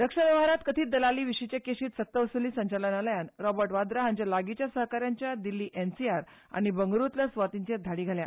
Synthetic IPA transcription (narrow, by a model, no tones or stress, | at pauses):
d̪əkʂənəʋaɾat̪kət̪ʰiːd̪əlaliːʋiɕit͡ɕakeɕiːt̪sət̪ːəʋəsuliːsəɲt͡ɕalənaləjanɾɔbəɾʈʋad̪ɾaɦaɲt͡ɕjalaɡit͡ɕjasəɦkaɾjaɲt͡ɕjad̪ilːiːʔensiaɾ | a̰ɽ̃ibəŋɡɾut̪ləsʋat̪iɲt͡ɕed̪ʱaɽiːɡʱalja̰